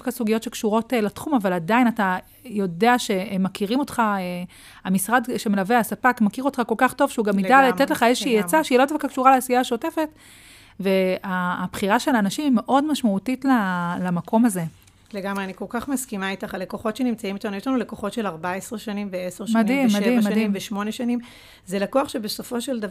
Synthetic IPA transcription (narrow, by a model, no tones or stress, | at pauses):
kasuɡijotʃe̞kʃuʁo̞telatχumavaladainata | jo̞deaʃe̞makiʁimo̞tχae | amisʁadʃeme̞laveasapakmakiʁo̞tχako̞lkaχto̞v̥ʃeuɡamidalat̪etleχaezʃʃiijat͡saʃeilo̞dafkakʃuʁaleaːsijaːʃo̞te̞fe̞t | ve̞abχiʁaʃelaːnaʃimime̞ʔo̞dmaʃmautitlalamakʰo̞maze̞ | leɡamʁeanikolkaχmaskimaitaχale̞ko̞χo̞tʃenimt͡saimit̪anujotanule̞ko̞χo̞tʃe̞laʁbaesʁeʃanimveeseʁmad̪imːadimːadiimveʃmo̞neʃanim | zelakuaχʃebeso̞fo̞ʃeld̪ava